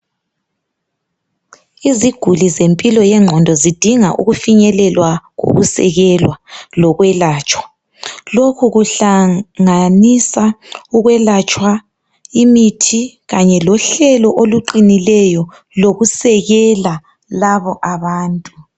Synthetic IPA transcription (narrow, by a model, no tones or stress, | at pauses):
iziɡ̥ʱulizempʼilɔjɛŋ͡ǁʱɔndʱɔzid̥ʱiŋaʔṵɣufiɲɛlɛlwaɣo̰ɣusɛ̰ɣɛlwalɔɣwɛlaːt͡ʃʼwa | lokʰuɣuɬaŋanisauɣwɛlat͡ʃʼwa | imitʰi | ɣaɲɛlɔɬɛlɔʔoluǃinilɛjɔ | loɣusɛɣɛla | laβɔʔaβaːntʼu